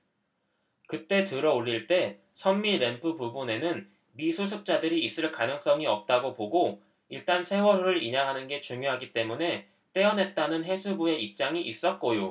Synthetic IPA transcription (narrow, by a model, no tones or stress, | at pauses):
kɯt͈e̞tɯɾʌoɭːiɭt͈e̞ | sʰʌnmiɾe̞npʰɯpubune̞nɯn | misʰusʰuk̚t͡ɕ͈adɯɾiːs͈ɯɭkanɯŋs͈ʌŋiʌp̚t͈aɡopoɡo | iɭt͈ansʰe̞wʌɾoɾɯɾiɲaŋɦanɯnɡe̞t͡ɕuŋjoɦaɡit͈e̞mune̞ | t͈e̞ʌnɦe̞t̚t͈anɯnɦe̞sʰubue̞ip̚t͡ɕ͈aŋiʔis͈ʌt̚k͈ojo